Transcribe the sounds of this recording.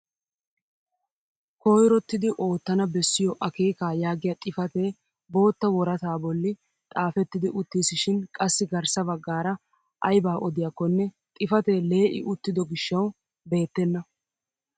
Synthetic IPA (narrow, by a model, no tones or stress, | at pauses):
koːjɾɔt̪ːɪd̪ɪʔo̞ːt̪ːɐnɐbɛsːɪjɔʔɐkeːkaːjaːɡɪjɐt̪ʼɪfɐt̪eː | bo̞ːt̪ːɐwɔɾɐt̪aːbɔlːɪ | t̪ʼaːfɛt̪ːɪd̪ɪʔʊt̪ːiːsɪʃɪnkʼɐsːɪɡɐɾsɐbɐɡːaːɾɐ | ʔɐjbaːʔɔd̪ɪjakːɔnːɛ | t̪ʼɪfɐt̪e̞ːle̞ːʔɪ̰ʔʊt̪ːɪd̪ɔɡɪʃːɐw | be̞ːt̪ːɛnːɐ